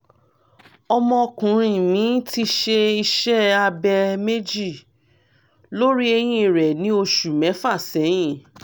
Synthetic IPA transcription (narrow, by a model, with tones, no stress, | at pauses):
ɔ˧mɔ̃˧kũ˨ɾ̃ĩ˧mĩ˨˦ti˦ʃe˧i˧ʃɛ˦a˧bɛ˧me˦d͡ʒi˦˨ | lo˦ɾi˦e˧j̃ĩ˧˨ɾɛ˨nĩ˦o˧ʃu˨mɛ̃˨˦fa˦˨sɛ˨˦j̃ĩ˦˨